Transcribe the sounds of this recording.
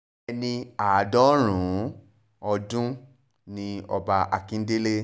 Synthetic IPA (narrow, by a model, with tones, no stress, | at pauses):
nĩ˧a˨dɔ˨˦ɾ̃ũ˨˦ | ɔ˧dũ˦ | nĩ˧ɔ˧ba˧ʔa˧kĩ˦n̩˦de˦le˦